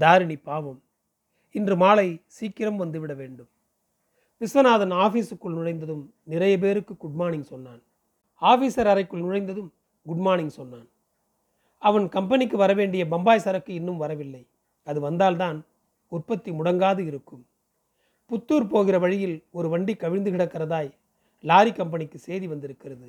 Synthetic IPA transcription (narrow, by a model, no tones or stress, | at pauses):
d̪aːɾɪɳipːaːʋɐm | ɪndrɯmaːlɐɪsiːkːɪɾɐmʋɐnd̪ɯʋɪɽɐʋeːɳɖɯm | pɪsɐnaːðɐnaːfiːsɯkːɯɭnʊɻɐɪnd̪ɐðɯm | nɪɾɐjɐpeːɾɯkːɯɡʊɖmaːnɪnsɔnːaːn | aːfiːsɐɾɐɾɐɪkːɯɭnʊɻɐɪnd̪ɐðɯm | ɡʊɖmaːnɪnsɔnːaːn | ɐʋɐnkɐmpɐnɪkːɯʋɐɾɐʋeːɳɖɪjɐbɐmbaːjsɐɾɐkːɯɪnːɯmʋɐɾɐʋɪlːɐɪ | ɐðɯʋɐnd̪aːlt̪̬aːn | ʊrpɐt̪ːimʊɽɐŋɡaːðɯɪɾɯkːɯm | pʊt̪ːuːɾpoːɣɪrɐʋɐɻɪjɪlɔɾɯʋɐɳɖikːɐʋɪnd̪ɯɣɪɽɐkːɐrɐðaːj | laːɾikɐmp̬ɐnɪkːɯseːðiʋɐnd̪ɪɾɯkːɪrɐðɯ